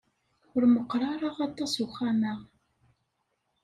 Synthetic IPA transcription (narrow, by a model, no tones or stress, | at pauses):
ʊɾməqːɾˤɑɾˤɑʁɑt̪ˤːɑsuxæməʁ